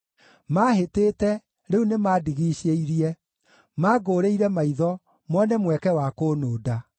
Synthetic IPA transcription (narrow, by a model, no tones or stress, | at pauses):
maːhetetɛ | ɾeunemaːdiɣiːɕeiɾiɛ | maːɡoːɾeiɾɛmaiðɔ | mɔnɛmwɛkɛwakoːnoːda